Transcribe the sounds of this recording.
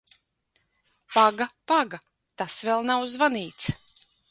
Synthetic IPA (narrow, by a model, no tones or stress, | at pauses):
paɡapaɡa | t̪asvɛlˠnawzvaniːt̪s